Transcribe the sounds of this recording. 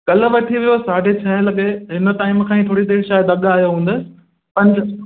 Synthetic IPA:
ɠɐlə̆ʋɐʈʰiʋijosaːɖʱet͡ɕʰɐ̃ɦlɐɠeɦɪnə̆t̪aːɪmkʰãːĩt̪ʰoːɽid̪eːɾʃaːjd̪ɐɠaːɦijoɦũːnd̪əsɪ̥̆ | pɐ̃nd͡ʑ

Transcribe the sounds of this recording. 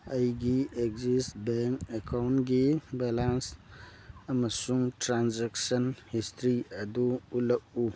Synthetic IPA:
əjɡieɡzisʈbeŋkekʰawnɡibɛlans | əməsuŋʈɾanzeksənhistɾiəd̪uuləʔu

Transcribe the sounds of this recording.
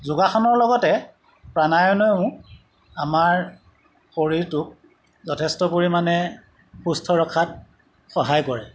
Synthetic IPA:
zuɡaxɔnɔɹlɔɡɔtɛ | pɹanajɔnɔʊ̃ | amaɹ | xoɹiɹtʊk̚ | zɔtʰɛstɔpoɹimanɛ | xustʰɔɹɔkʰat̚ | xɔɦajkɔɹɛ

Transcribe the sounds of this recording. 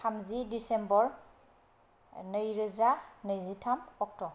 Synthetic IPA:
tʰamzidisɛmbɔɹ | nəjɹəzanəjzitʰamɔk̚tɔ

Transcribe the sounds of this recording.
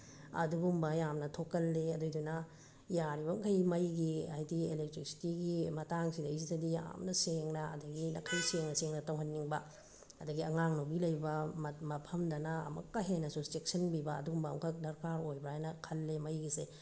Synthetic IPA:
ɐ̰duɡumbɐjamnɐtʰokːɐlːeɐdojdunɐ | jaɾibɐŋkʰɐjmɐjɡia̰jdielek̚tɾiksi̥tiɡimɐtaŋsidɐisidɐdija̰mnɐseŋnɐɐ̰dɐɡinɐkʰɐjseŋnɐseŋnɐtɐwɦɐnːiŋbɐ | ɐdɐɡiɐŋaŋnobilɐjbɐmmɐpʰɐmdɐnɐ̰ːmɐ̰kːɐɦenɐsustek̚sɐnbibɐ̰ːduɡumbɐːmkʰɐk̚dɐɾkaɾojbɐajnɐkʰɐlːemɐjɡise

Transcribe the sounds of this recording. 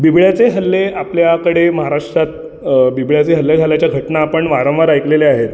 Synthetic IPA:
bibɭjat͡seɦəlːeapljakəɽeməɦaɾaʂʈɾat̪̚ | bibɭjat͡seɦəlːad͡zʱaljat͡ɕjaɡʱəʈnaːpəɳʋaɾə̃mʋəɾajkleleaɦet̪

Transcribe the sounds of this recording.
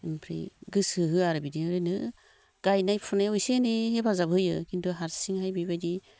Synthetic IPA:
empʰɾḭɡɯsɯɦɯaɾɯbidiɾenɯ | ɡ̥ajnajpʰɯnajujsenehebazabɯjɯkintuɦaɾsiŋhajbibadi

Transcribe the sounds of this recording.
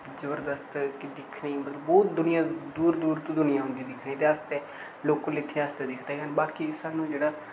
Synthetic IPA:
zəbəɾd̪əst̪kid̪ɪkʰniːmət̪ləbɔːt̪̚d̪ʊnɪjãːd̪uːɾd̪uːɾt̪ũːd̪ʊnɪjãːɦʊ̃nd̪iːd̪ɪkʰniːt̪eːəst̪eː | loːkõlɪt̪ʰːeːast̪eːd̪ɪkʰd̪eːɡənbaːkisaːnũːd͡ʒeːɽaː

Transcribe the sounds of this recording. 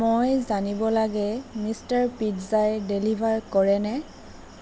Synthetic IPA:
mojzanibɔlaɡɛmistaɹpitzajdelibʱaɹkɔɹɛnɛ

